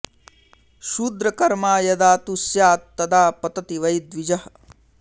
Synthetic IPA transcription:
ʃuːd̪ɾɐkɐɾmaːjɐd̪aːt̪usjaːt̪ːɐd̪aːpɐt̪ɐt̪iʋɐjd̪ʋid͡ʒɐh

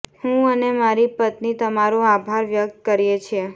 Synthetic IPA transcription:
hũənemaɾipət̪nit̪əmaɾuabʱaɾʋjək̚t̪̚kəɾijet͡ʃʰie

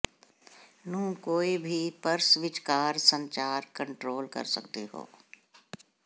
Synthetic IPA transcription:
nũːkoːibʱipɐɾsʋɪt͡ʃkaːɾsə̃ɲt͡ʃaːɾkə̃ɳʈɾoːlkɐ̰ɾsɐ̰kt̪eɦo̰ː

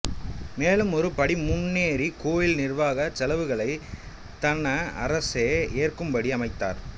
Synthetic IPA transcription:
meːlɯmɔɾɯpɐɽimːʊnːeːɾikoːjɪlnɪrʋaːɣɐsɛlɐʋɯɣɐɭɐɪ | t̪ɐnɐɐ̰ɾɐseːeːrkɯmbɐɽiɐmɐɪt̪ːa̰ːɾ

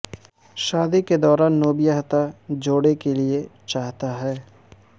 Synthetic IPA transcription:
ʃaːd̪iked̪ɔːɾaːnːoːbijaɦt̪ad͡ʒoːɽekeliet͡ʃaːɦt̪aɦɛː

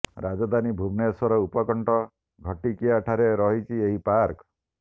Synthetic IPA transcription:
ɾad͡ʒɔd̪ʱanibʱubnesɔɾɔupɔkɔɳʈɔ | ɡʱɔʈikijaʈʰaɾeɾɔɦit͡ʃʰieɦipaɾkɔ

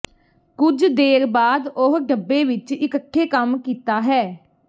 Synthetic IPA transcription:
kʊd͡ʒd̪eːɾbaːd̪ʊɦɖəbːeːʋɪt͡ʃɪkəʈʰːeːkəmkiːt̪aːɦɛː

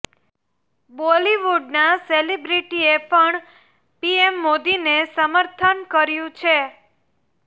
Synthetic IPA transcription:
boliʋuɖnaselibɾiʈiepəɳ | piemːod̪inesəməɾt̪ʰənkəɾjũt͡ʃʰe

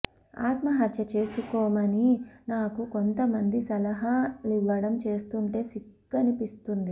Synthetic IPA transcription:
a̰ːt̪mɐɦɐt̪jɐt͡ʃe̞ːsukɔːmɐninaːkuko̞nt̪ɐmɐnd̪isɐlɐɦɐliʋːɐɽɐmt͡ʃe̞ːst̪uːɳʈe̞ːsikːɐnipist̪und̪i

